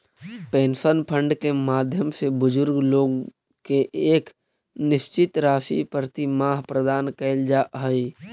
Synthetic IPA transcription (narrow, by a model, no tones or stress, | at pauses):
peːnsənpʰə̃ɳɖkemaːd̪ʱjəmsebʊd͡ʒʊɾɡloːɡ | keʔeːk | nɪʃt͡ʃɪt̪ɾaːsḭpəɾt̪imaːɦpɾəd̪aːnkɛɪld͡ʒaɦəi